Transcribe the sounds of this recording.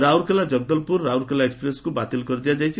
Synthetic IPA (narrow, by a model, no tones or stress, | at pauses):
ɾawɾkʰelad͡ʒʌɡ̚d̪ɔlpuɾːawɾkʰelaekspɾeskubat̪ilkɔɾd̪ijad͡ʒajt͡ʃʰi